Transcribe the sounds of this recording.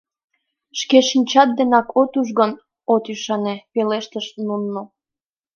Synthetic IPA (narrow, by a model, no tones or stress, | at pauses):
ʃkeʃinʲt͡ɕɑt̪̚d̪enɑkot̪uʒɣən | ot̪yʃɑnepeleʃt̪əʃnunːo